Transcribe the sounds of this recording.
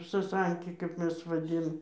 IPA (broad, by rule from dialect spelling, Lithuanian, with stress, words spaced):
sɐˈsɐŋʲkʲɪ kɐp ˈmʲɛs ʋɐˈdʲɪn